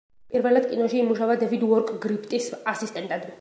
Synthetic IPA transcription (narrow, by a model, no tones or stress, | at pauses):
pʼiɾvɛlad̪̚kʼinɔʃiːmuʃavad̪ɛvid̪ɔɾkʼɡɾipʰt̪ʼisasist̪ʼɛnt̪ʼad̪i